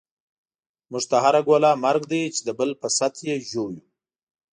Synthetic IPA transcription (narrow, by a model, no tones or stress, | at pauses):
muʐt̪aɦaɾaɡwolɑmaɾɡd̪əjt͡ʃed̪əbəlpəsat̪jeʒoju